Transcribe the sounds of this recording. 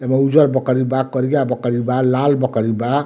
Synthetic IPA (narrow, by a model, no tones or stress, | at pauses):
jemaud͡ʒʌɾbʌkʌɾibakʌɾiɡabʌkəɾibalalbʌkʌɾiba